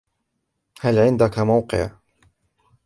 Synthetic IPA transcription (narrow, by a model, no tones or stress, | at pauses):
halʕɪnd̪akamawqɨ̰ʕ